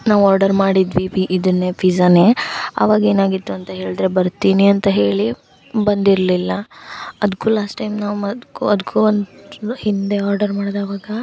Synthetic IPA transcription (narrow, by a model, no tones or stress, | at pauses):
naːʋaːɾɖɐɾmaːɽid̪ʋipiʔid̪ɐnːepʰizɐneːɐ̰ʋaːɡɐe̞ːnaːɡit̪ːuɐnt̪ɐɦe̞ːɭd̪ɾe̞bɐɾt̪iːniɐnt̪ɐɦe̞ːɭi | bɐnd̪iɾlilːɐɐd̪ukulaːsʈːɐjmnaːʋɐd̪kuɐd̪ukʰuond̪hind̪e̞aːɾɖɐɾmaːɽd̪aːʋaːɡɐ